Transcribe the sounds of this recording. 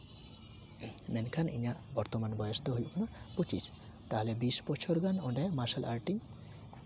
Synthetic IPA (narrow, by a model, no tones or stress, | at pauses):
mɛnkʰanḭɲaʔbɔɾt̪ɔmanbɔjɔst̪ɔɦojbɔna | pot͡ʃis | t̪aɦɔlɛbisbɔʃʰɔɾɡanɔɖajmaɾʃalʔa̰ɾʈiŋ